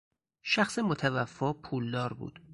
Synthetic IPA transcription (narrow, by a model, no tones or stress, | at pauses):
ʃæxsemot̪ʰævæfːɒːpʰuːld̪ɒːɾbṵːd̪̥